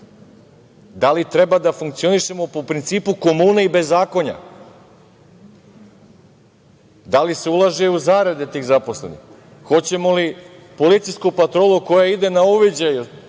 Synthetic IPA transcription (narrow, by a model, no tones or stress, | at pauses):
d̪alit̪ɾe̞bad̪afuŋk̚t̪sio̞niʃe̞mo̞popɾint̪siːpuko̞muːneibe̞zːaːko̞ɲa̰ | d̪alise̞ulˠaʒeuzaːɾed̪et̪iːɣzapo̞sle̞̰nḭx | xo̞t͡ɕe̞moli | po̞lit̪sijskupat̪ɾo̞ːluko̞jaid̪e̞nauʋid͡ʑaju